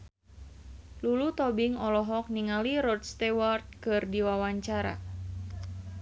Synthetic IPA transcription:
lulut̪ɔbiŋɔlɔɦɔk̚niŋaliɾɔd̪̚st̪ɛwart̪̚kɨrdiwawaɲt͡ʃaɾa̰

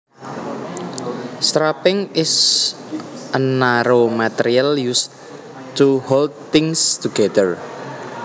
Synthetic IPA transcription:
st̪ɾapɪŋɪs | ʔənaɾomat̪ɛɾialjus | t̪uhold̪̚t̪ɪŋst̪uɡɛd̪ər

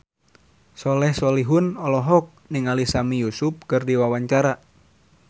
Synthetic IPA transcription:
sɔlɛhsɔliɦʊnɔlɔɦɔk̚niŋalisamijusʊp̚kɨrdiwawaɲt͡ʃaɾa

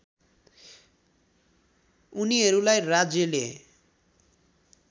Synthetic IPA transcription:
uniɦʌɾulajrad͡zjʌle

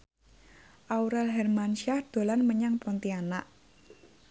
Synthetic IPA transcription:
ʔauɾɛlɦɛrmanʃahd̪̥o̤lanməɲaŋpɔnt̪iana̰ʔ

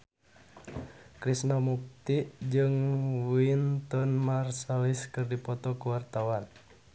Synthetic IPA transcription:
kɾisnɔmuk̚t̪iʔd͡ʒɨŋwint̪ɔnmarsaliskɨrdipɔt̪ɔkuwart̪awan

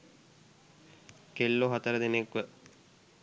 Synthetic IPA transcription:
kelːoɦat̪əɾəd̪enekʋə

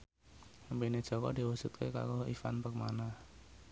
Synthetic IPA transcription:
əmpined̥ʒ̥ɔ̤kɔ̰d̥i̤wəsut̪̚keka̰ɾoifa̰npək̚manah

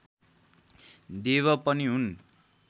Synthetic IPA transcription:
d̪eβʌpʌniɦun

